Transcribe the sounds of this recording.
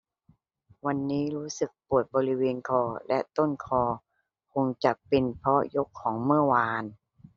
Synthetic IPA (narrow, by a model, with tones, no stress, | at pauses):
wa˧nːiː˦˥ɾuː˦˥sɯ˨˩k̚pu˨˩ət̪̚bɔː˧ɾi˦˥weː˧nkʰɔː˧˩lɛ˦˥ʔt̪o˥˩nkʰɔː˧ | pʰo˧ŋt͡ɕa˨˩k̚pe˧npʰɔ˦˥jo˦˥kʰːɔː˩˦ŋmɯ˥˩ɐwaː˧n